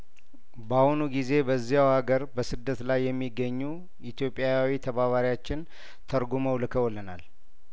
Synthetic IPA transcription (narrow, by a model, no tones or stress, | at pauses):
bahunuɡize̞bəzːijawhaɡəɾbəsɨd̪ːət̪lajːɛmːiɡːəɲːu | it̪ʰjo̞pʼːjawit̪ʰəβaβaɾijat͡ʃːɪn | t̪ʰəɾɡuməwlɨkʰəwɔlːənal